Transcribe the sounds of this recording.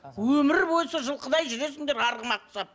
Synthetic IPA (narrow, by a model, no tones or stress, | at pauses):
wɵmɪɾbo̞jsɑʒəlˠqəd̪ɑjʒʏɾe̞s̬ɪŋd̪e̞ɾɑɾʁəmɑq̚t̪ə̥sɑp̚